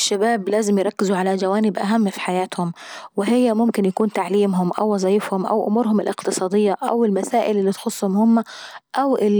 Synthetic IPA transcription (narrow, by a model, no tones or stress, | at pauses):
ʃːabaːblaːzɪmjɾˤɑkːɪzuʕalad͡ʒawaːnɪbʔaɦamːfi̥ħajaːt̪hʊmwɪɦɪjːamʊmkɪnjakuːnt̪aʕliːmɦʊmʔa̰wːɑzˤɑːjɪfhʊmʔa̰wʔʊ̰muːɾhʊmɪlʔɪqt̪ɨsˤɑːd̪ɪjːaʔa̰wɪlmasaːʔɪlɪlːiːt̪xʊsˤːhʊmhʊmːaʔawʔɪ